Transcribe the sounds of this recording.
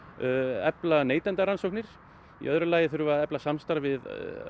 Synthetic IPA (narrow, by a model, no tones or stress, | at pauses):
ɛplaneːjt̪ɛnt̪aɾansowknɪɾ̥ | ḭʔœðɾʏlaːjɪθʏɾvaaðɛplasamst̪aɾvɪð